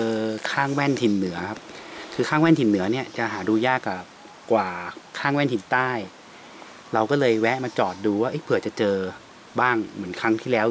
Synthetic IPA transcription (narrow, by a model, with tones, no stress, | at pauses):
ɤː˧kʰaː˥˩ŋwɛ˥˩nt̪ʰi˧nːɯ˩˦ɐkʰa˦˥p̚kʰɯː˧kʰaː˥˩ŋwɛ˥˩nt̪i˧˩nːɯ˩˦ɐni˥˩ɐt͡ɕa˨˩ʔɦaː˩˦duː˧jaː˥˩kːa˨˩p̚ | kwaː˨˩kʰaː˥˩ŋwɛː˥˩nt̪ʰi˧˩˦nt̪aː˥˩j | ɾa˧wkɔː˥˩lɤː˧jwɛ˦˥maː˧t͡ɕɔː˨˩t̪̚duː˧waː˥˩ʔɤ˦˥˩jpʰɯ˨˩ət͡ɕa˨˩t͡ɕɤː˧ | baː˥˩ŋmɯ˩˦ənkʰɾa˦˥ŋt̪ʰiː˥˩lɛː˦˥w